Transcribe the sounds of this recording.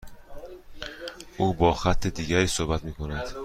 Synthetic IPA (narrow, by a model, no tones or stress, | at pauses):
ʔuːbɒːxæt̪ʰːed̪iːɟæɾiːsohbæt̪miːkʰonæd̪̥